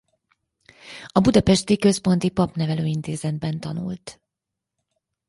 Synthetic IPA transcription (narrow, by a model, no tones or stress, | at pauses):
ɒbud̪ɒpɛʃt̪ikø̞spo̞n̪t̪ipɒpnɛvɛløːint̪eːzɛd̪bɛnt̪ɒnṵlt̪